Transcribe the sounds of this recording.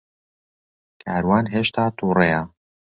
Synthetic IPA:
kʰaːɾwaːnɦeːʃt̪ʰaːt̪ʰuːreja

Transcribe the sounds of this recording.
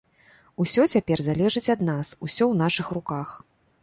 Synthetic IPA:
usʲɔt͡sʲapʲɛrzalʲɛʐɨt͡sʲɐd̪nasusʲɔwn̪aʂɨxrukax

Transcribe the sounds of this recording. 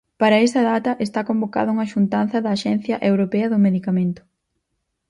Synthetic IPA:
paɾɐɛst̪ɐðat̪ɐʔest̪akomboka̰ðɐuŋɐʃunt̪an̟θɐðɐːʃɛn̟θjɐʔewɾopɛɐðʊmeðikamẽnt̪ʊ̥

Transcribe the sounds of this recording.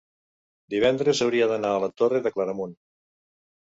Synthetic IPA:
d̪iβ̞ɛnd̪ɾezəwɾiəðənaələt̪oreðəkləɾəmun

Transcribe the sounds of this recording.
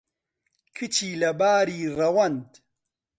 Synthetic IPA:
kʰit͡ɕʰiːlɐbaːɾiːrɐwɐnd̪

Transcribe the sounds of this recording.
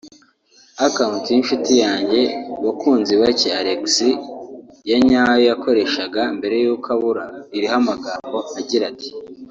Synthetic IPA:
akamutiinʃutijaːɲɟe̞wakuːnziβaceaɾeksi | jaɲaːjojako̞ɾe̞ʃaɡambe̞ɾe̞juːkʰaβuɾaiɾiɦamaɡaːmbo̞aɟiɾati̥

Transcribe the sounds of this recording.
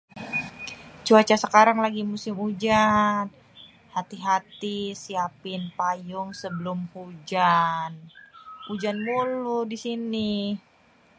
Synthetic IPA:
t͡ʃuat͡ʃasəkaɾaŋlaɡimusɪmud͡ʒan | hat̪iɦat̪isiapɪnpajʊŋsəbəlʊmhud͡ʒan | ud͡ʒanmuludisini

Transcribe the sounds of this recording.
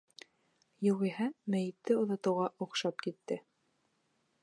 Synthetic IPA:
juʁiɦæmæjɘ̆t̪ːɘŏðɑt̪ɤ̆wʁɑʔuqʃɑpkit̪ːɘ

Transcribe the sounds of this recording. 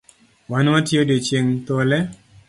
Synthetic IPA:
wanwatjodet͡ʃeŋt̪olɛ

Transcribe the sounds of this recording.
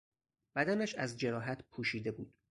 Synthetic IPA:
b̥æd̪ænæʃæzd͡ʒe̞ɾɒːɦæt̪ʰpʰuːʃiːd̪e̞buːd̪̥

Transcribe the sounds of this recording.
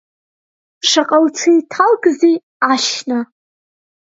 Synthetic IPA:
ʂaqʼalt͡sʰijtʰalɡzi | aʃna

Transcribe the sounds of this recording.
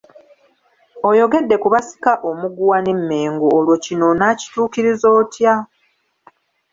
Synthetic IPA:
o̞jo̞ɡe̞dːe̞kuβasi̥kaʔo̞muɡuwanemːe̞ːŋɡoːlwocino̞naci̥tuːkiɾizo̞ːtja

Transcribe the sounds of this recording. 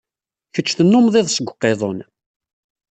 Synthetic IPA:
çət͡ʃːθənːʊmðˤiðˤsəɡʷqːeðˤon

